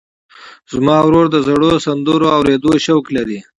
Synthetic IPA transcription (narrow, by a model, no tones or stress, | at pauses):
zmɑwɾoɾd̪əzaɽosand̪əɾoawɾed̪oʃawklaɾi